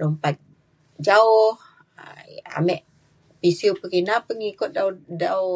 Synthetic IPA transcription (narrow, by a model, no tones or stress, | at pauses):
lompat̪̚ | d͡ʒaʊh | a̰mɛʔ | pisiupəkinapəŋikʊt̪̚dadaw